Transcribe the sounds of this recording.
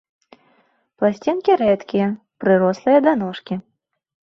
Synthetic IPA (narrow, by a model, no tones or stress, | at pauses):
plˠasʲt͡sʲinkʲiɾɛt̪kʲijɐ | pɾɨɾɔslˠɨjɐd̪anɔʂkʲi